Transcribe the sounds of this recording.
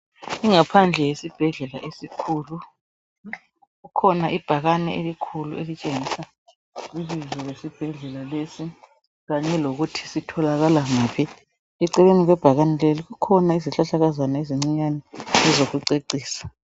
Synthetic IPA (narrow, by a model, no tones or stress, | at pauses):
iŋapʰand͡ɮʱɛjesib̥ʱɛɮɛlaʔesikʰuːlu | ɣukʰɔnaʔib̥ʱaɣanɛʔelikʰulṵelit͡ʃʼeŋisa | ilizɔwesib̥ʱɛɮɛlalesi | ɣaɲɛloɣutʰi̥sitʰɔlaɣalaŋaːpʰi | ɛǀɛβeniɣɛb̥ʱaɣanɛleliɣukʰɔnaiziɬaɬaɣazanaeziŋ͡ǀiɲanɛɛzoɣuǀeǀiːsḁ